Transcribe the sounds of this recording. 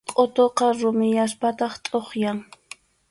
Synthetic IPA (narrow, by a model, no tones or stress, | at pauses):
qʼot̪oqɑɾʊmɪjaspat̪ɑχt̪ʼoχjaŋ